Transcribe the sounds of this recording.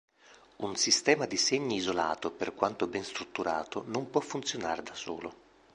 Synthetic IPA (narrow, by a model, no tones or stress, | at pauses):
unsist̪ɛːmad̪iseɲːiizola̰ːt̪operkwant̪obɛnst̪ɾut̪ːuɾa̰ːt̪onompwɔfːunt̪sjonaːɾed̪aso̰ːlo